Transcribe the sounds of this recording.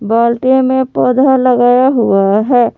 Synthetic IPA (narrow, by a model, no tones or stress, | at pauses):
baːlʈemẽpod̪ʱaləɡaːjaɦuaɦɛː